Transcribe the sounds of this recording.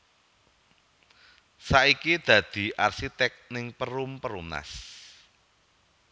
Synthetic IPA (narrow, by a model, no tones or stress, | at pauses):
saʔikid̪̥ä̤d̪̥i̤ʔarsit̪ɛk̚nɪŋpəɾumpəɾumna̰s